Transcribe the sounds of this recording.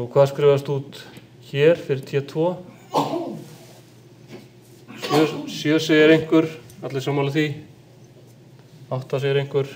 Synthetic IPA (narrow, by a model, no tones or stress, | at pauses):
kʰvaːðskɾɛːvast̪ut̪ | çɛɾ̥fɪɾɪɾ̥t̪ʰɛːt̪ʰvɔː | sœsjœːseːjɪɾejŋ̥kʏɾ̥at̪lɪsaːmːalɪθvi | awht̪aseːjɪɾejŋ̥kʏɾ̥